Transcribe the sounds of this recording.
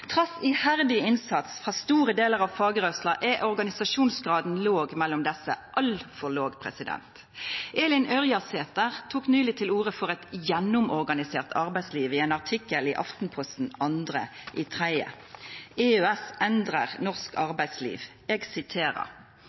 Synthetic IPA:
t̪ʰʁɑsɪhæʁd̪ɪɪnsɑt̪sfʁɑːst̪uːʁəd̪eːləʁɑʋfɑːɡəʁœslɑʔɛʔɔʁɡɑnɪsɑʃuːnsɡʁɑːd̪n̩loːɡmɛlːʊmd̪ɛsːə̰ʔɑlfɔloːɡpʰʁɛ̰sɪd̪ɛ̰nt̪ | ʔeːlɪnʔœʁjɑseːt̪əʁt̪ʰuːknyːlɪt̪ʰɪluːʁəfɔʁɛt̪jɛnʊmɔʁɡɑnɪseːʁt̪ʰɑʁbæɪsliːʋɪeːnɑʁt̪ʰɪkːəliːʔɑft̪npʰɔst̪n̩ɑnd̪ʁə̰ʔiːt̪ʰʁæɪə̰ | eːøɛsʔɛnd̪ʁəʁnɔʁskɑʁbæɪslḭːʋ | ɛːɡsɪt̪ʰeːʁə̰ʁ

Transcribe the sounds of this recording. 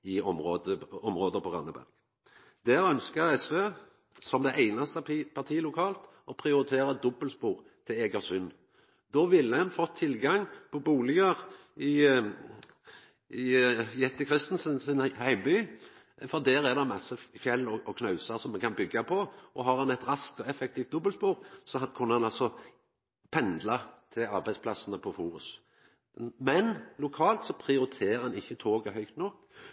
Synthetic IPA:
ɪɔmʁoːd̪əɔmʁoːd̪əpʰɔʁɑ̰nːəbæ̰ʁɡ̥ | d̪æːɾœnskəɾɛsʋeː | sɔmd̪ɛɪʔæɪnɑst̪əpʰɑʁt̪ʰiːlʊkʰɑːlt̪ | ɔpʰʁɪʊɾɪt̪ʰeːɾɑd̪ɔbəlspuːʁ | t̪ʰɪeɡəsʏnː | d̪oːʋɪlːəɛnfɔt̪ʰːɪlɡɑŋpʰɔbuːlɪɡəʁ | ɪ | ɪɛt̪ːəkʰʁɪst̪n̩sənsɪnhæɪməbyː | fɔʁd̪æːɾɛʁd̪ɛmɑsːəfjɛlːɔɔkʰnɑʉsɑɾsɔmɛkʰɑnbʏɡːɑpʰɔʔɔɦɑɾhɑnɛt̪ɾɑskt̪ɔɛfɛk̚t̪ʰiːft̪̚d̪ɔbəlspuːɾsɔkʰʊnːəhɑnɑlsɔ | pʰɛnd̪lɑt̪ʰɪlɑɾbæɪspʰlɑsənəpʰɔfuːɾʉs | mɛnlʊkʰɑːlt̪sɔpʰɾɪʊɾɪt̪ʰeːəɾɑnɪçːət̪ʰoːɡəɦœʏkt̪nɔkː

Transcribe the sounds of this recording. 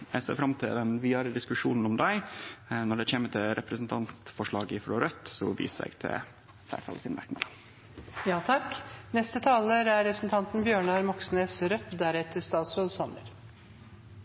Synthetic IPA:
ɛɡsḛːɾfɾɑmt̪ʰɪld̪ɛnʋiːɑɾəd̪ɪskʉʂuːnn̩ɔmd̪æɪnɔɖɛt͡ɕeːmət̪ʰɪlɾʔɛpɾəsn̩t̪ʰɑnt̪fɔʂɭɑːɡɪfɾɔɾœt̪ːsɔʋḭːssæ̰ɪɡ̥t̪ʰɪ̰l | flæ̰ɪːʈʰɑ̰lsɪnmʔæ̰ɾknəd̪ə | jɑːt̪ʰɑknɛst̪ət̪ʰɑːləɾæɾɾɛpɾəsn̩t̪ʰɑnt̪nbjøːɳɑɾmɔksneːsɾœt̪d̪æɾɛt̪əʂt̪ɑːt̪sɾoːsɑnə̰ɾ

